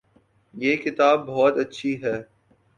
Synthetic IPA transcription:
jeːkɪt̪aːbːɔɦɔt̪ɐtːʃʰiɦɛː

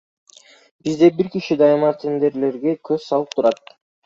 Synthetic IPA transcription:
bizd̪e̞biɾkiʃid̪ɑjmɑt̪ʰʲend̪e̞ɾle̞ɾɡekʰøzsɑlˠɯp̚t̪ʰuɾɑt̪̚

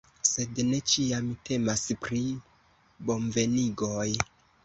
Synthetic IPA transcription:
se̞dne̞t͡ʃiamtʰe̞maspɾi | bo̞nve̞niɡo̞j

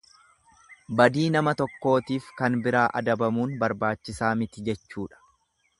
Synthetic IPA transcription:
bɐd̪iːnɐmɐt̪ɔkːo̞ːt̪iːfkɐnbɪɾaːʔɐ̰d̪ɐbɐmuːnbɐɾbaːt͡ʃːɪsaːmɪt̪ɪd͡ʒɛt͡ʃːuːᶑɐ̥

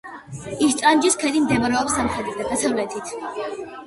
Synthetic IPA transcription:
ist̪sʼand͡ʒiskʰɛd̪imd̪ɛbaɾɛɔpsamχɾɛd̪ɾid̪ad̪asavlɛt̪ʰit̪ʰ

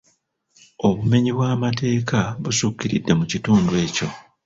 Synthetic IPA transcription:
o̞βume̞ɲiβwaːmate̞ːkaβusukːiɾḭdːe̞mucituːndwe̞ːco̞

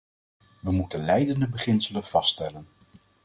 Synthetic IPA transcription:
ʋəmutənlɛjdəndəbəχɪnsələnv̥ɑstɛlən

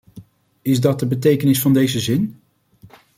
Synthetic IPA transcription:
ɪzdɑt̚dəbətejkənɪsfɑndejzəzɪn

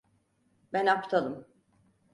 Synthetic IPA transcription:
bænapt̪ʰalˠɯm

